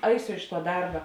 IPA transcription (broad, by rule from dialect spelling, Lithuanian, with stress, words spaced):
ˈɐɪsʲʊ ɪʃ tuɔ ˈdɐrbɐ